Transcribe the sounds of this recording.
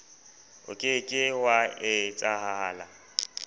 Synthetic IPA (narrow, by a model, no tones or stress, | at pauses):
ʊ̰kʼɪkʼɪwaɪt͡sʼaɦaɦaːla